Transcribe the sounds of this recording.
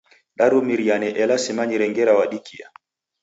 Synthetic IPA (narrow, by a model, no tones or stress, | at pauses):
ɗaɾumiɾianɛʔɛlasimaɲiɾɛŋɡɛɾawaɗikia̰